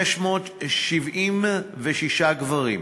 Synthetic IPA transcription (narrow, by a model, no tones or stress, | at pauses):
eʃmoːt̪ʃivʔimveʃiʃaɡvaʁḭm